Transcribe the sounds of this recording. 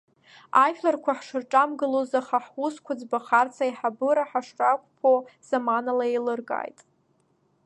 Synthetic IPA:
ajflarkʷaħʂɨrʈ͡ʂʼamɡɨlozaχaħuskʷad͡zbaχart͡sʰajħabɨɾaħaʂrʼakʷʼpʰoz̥amanalaelɨrɡa̰jtʼ

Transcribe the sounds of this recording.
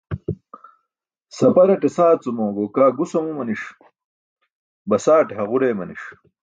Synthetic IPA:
sɐpɐɾɐʈesaːt͡sumõːɡoːkaːɡusɐmumɐniʂ | bɐsaːʈeɦɐʁuɾeːmɐniʂ

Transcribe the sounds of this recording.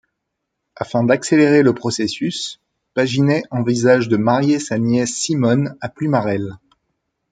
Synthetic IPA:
afɛ̃d̪akseleʁeləpχɔsesys | paʒinɛʔɑ̃vizaʒd̪əmaʁjesanjɛsːimɔnaplymaʁɛl

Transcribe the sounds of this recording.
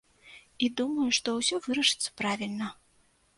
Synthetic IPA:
id̪umɐjuʂt̪ɔwsʲɔvɨɾɐʂɨ̥t̪sːɐ̥pɾavʲilʲnɐ

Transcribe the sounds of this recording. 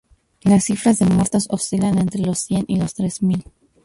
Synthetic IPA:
lasːifɾazðe̞mwe̞ɾt̪ososilane̞nt̪ɾe̞lo̞sːje̞nʔilo̞st̪ɾez̥mil

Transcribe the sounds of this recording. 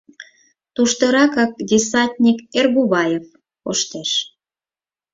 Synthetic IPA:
t̪uʃt̪ɤɾɑkɑk̚dis̬ɑt̪ʲnʲikerɣuβɑjef | oʃt̪eʃ

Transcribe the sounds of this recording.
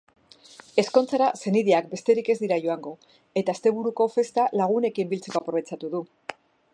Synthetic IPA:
e̞sko̞nt͡saɾase̞niðeakbe̞st̪e̞ɾike̞zd̪iɾaʝo̞aŋɡo̞ | e̞t̪aest̪e̞β̞uɾuko̞fe̞st̪alaɣ̞une̞kimbilt͡se̞ko̞apɾoe̞t͡ʃat̪uðu

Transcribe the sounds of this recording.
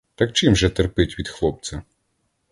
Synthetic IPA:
t̪ɐk̚t͡ʃɪmʒɛt̪erpɪtʲʋʲid̪xlˠɔp̚t͡sʲɐ

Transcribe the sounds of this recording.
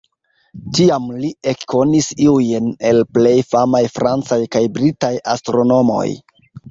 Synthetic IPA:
tiamliʔe̞kko̞nisiujne̞lple̞jfamajfɾʔant͡sajkajbɾitaja̰stɾo̞no̞mo̞̰j

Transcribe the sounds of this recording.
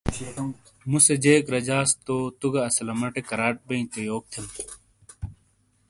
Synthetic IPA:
mused͡ʑeːkɾɐd͡ʑaːst̪oːt̪uɡɐɐsɐlɐmɐʈekɐɾaːʈ̚bɐĩt̪ejoːk̚t̪ʰem

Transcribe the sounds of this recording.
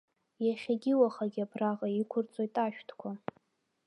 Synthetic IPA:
jaχʲaɡʲɪwaχaɡʲiabʰraʁaikʷʰʊrt͡sʼo̞jtʼaʃᶣtʰkʷʰa

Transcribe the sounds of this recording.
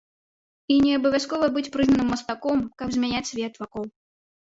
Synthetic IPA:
inʲɛɐbɐvʲaskɔvɐbɨt͡sʲpɾɨznɐnɨmːɐst̪akɔmkɐbzʲmʲɛnʲat͡sʲsʲvʲɛt̪vakɔw

